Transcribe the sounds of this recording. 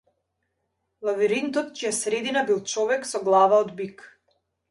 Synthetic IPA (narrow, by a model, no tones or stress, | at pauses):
lˠaviɾint̪ɔt̪ciɛsɾɛd̪inabilˠt͡ʃɔvɛksɔɡlˠavaɔd̪bik